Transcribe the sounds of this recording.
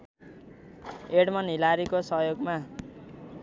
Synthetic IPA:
eɽmʌnilaɾikosʌɦjoɡma

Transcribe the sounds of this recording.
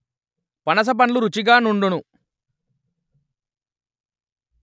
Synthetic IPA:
pɐnɐs̬ɐp̬ɐnluɾut͡ʃiɡaːnuɳɖunu

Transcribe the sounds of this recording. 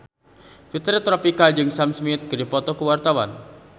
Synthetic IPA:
fit̪ɾit̪ɾɔpikad͡ʒɨŋsamsmit̪̚kəɾipɔt̪ɔkuəwart̪awa̰n

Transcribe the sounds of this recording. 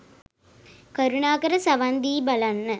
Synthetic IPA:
kəɾunaːkəɾəsaʋand̪iːbalanːə

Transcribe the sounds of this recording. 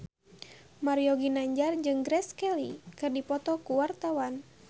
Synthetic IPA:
maɾiɔɡinaɲd͡ʒard͡ʒɨŋɡɾɛskɛlikɨrdipɔt̪ɔkuwart̪awan

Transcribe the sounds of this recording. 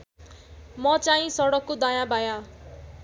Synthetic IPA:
mʌt͡saĩsʌɽʌkːod̪ajãbaja

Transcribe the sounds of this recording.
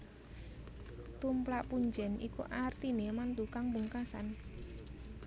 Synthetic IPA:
t̪umplaʔpuɲd͡ʒɛnʔḭkuʔart̪inemant̪ukaŋbuŋkasa̰n

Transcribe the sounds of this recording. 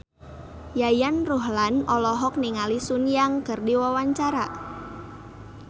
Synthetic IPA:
jajanruɦlanɔlɔɦɔk̚niŋalisunjaŋkərdiwawaɲt͡ʃaɾa

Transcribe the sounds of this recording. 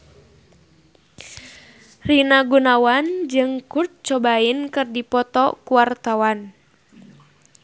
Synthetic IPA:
rinaɡunawand͡ʒɨŋkurt̪̚t͡ʃɔbainkɨrdipɔt̪ɔkuwart̪awan

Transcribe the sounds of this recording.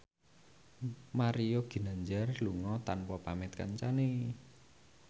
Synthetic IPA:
maɾijoɡ̥i̤naɲd͡ʒarluŋɔt̪anwɔpamɪt̪ka̰ɲt͡ʃane

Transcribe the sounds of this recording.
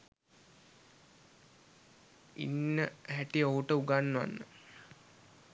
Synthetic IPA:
ḭnːəɦæʈiəoɦuʈəuɡanːʋa̰nːə

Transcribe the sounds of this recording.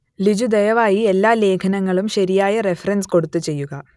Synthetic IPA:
lid͡ʑud̪ɐjɐʋaːjielːaːle̞ːkʰɐnɐŋːɐɭumɕɐɾijaːjɐrefɐrɐnsko̞ɽut̪ːɨt͡ɕe̞jːuɣɐ

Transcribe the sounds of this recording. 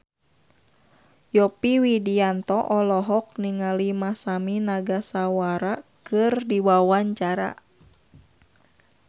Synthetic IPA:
jɔpiwidiant̪ɔʔɔlɔɦɔk̚niŋalimasaminaɡasawaɾakɨrdiwawaɲt͡ʃaɾa̰

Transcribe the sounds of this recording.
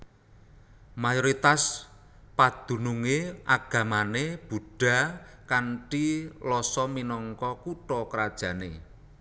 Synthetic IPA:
majɔɾit̪as | pad̪̥ṳnuŋeaɡ̥a̤maneb̥ṳɖ̥a̤kanʈilɔsɔminɔŋkɔkuʈɔkəɾad̥ʒ̥ä̤ne

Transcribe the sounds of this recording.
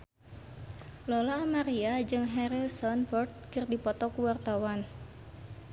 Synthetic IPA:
lɔlaːmaɾiad͡ʒɨŋɦɛɾilsɔnfɔrd̪̚kərdipɔt̪ɔkuwart̪awan

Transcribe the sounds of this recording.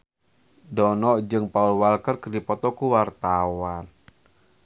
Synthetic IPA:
dɔnɔʔd͡ʒɨŋpaulwalkərkərdipɔt̪ɔkuwart̪awan

